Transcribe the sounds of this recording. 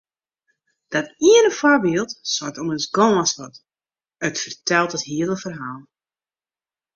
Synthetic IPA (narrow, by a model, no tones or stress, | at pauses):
d̥ɔtiənəfɔbiːəlˠtswɔtɔməsɡɔ̃ːasʋɔt | ətfərtɛlˠtəthiələfərɦaːlˠ